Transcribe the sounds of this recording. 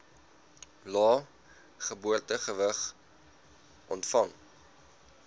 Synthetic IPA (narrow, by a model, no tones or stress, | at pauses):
lɑː | χəbuərtəχəvəχ | ʔɔntfɐŋ